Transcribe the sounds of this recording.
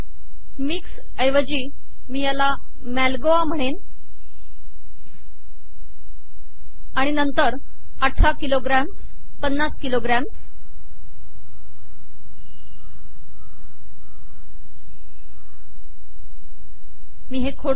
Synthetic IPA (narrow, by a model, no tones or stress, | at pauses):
miks | əjʋəd͡ʑiː | miːjala | mælɡoam̤əɽ̃en | aɽ̃inənt̪əɾ | əʈʰakiloɡɾæm | pənːaskiloɡɾæm | miːɦekʰoɽ